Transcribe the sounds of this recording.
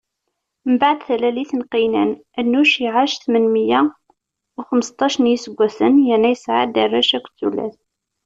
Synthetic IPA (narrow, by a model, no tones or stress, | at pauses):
məbaʕd̪θælæliθənqinæ̰n | ænːuʃiʕaʃθmənməjæ | wxəməst̪ˤɑʃnjisəɡʷːæsənjənːæjəsʕa̰d̪ærˤːæʃækʷθṵlæ̰θ